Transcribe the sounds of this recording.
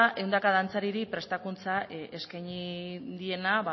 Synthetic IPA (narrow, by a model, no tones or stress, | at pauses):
aʔe̞wnd̪akaðant͡saɾiɾipɾe̞st̪akunt͡sae̞skajɲid̪ie̞naβa